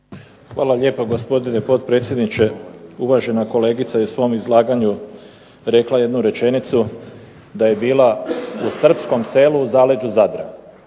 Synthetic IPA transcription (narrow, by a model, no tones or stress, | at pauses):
xʋaːlaʎe̞ːpoɡo̞spo̞d̪ine̞po̞t̪pɾe̞ːt̪sjed̪nit͡ʃe̞uʋaʒe̞nako̞le̞ːɡit̪sajesʋo̞ːmizlˠaːɡaɲu | ɾe̞klaje̞d̪nuɾe̞t͡ʃe̞nit̪su | d̪aje̞biːlausr̩psko̞mse̞ːluzaːled͡ʒuzad̪ɾa̰